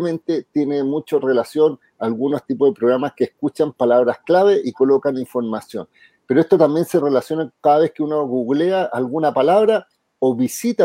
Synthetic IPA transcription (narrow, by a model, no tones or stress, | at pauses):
mẽ̞nt̪e̞t̪je̞nemut͡ʃore̞lasjo̞n | aːlɣunost̪ipoðepɾo̞ɣɾamaskeːskut͡ʃampalaβɾasklaβe̞ʔiko̞lo̞kaniɱfo̞ɾmasjo̞̰n | peɾoest̪ot̪ambje̞nse̞re̞lasjo̞nakkaðaβe̞skeunoɣuɣleaʔalɣunapalaβɾa | oβisit̪a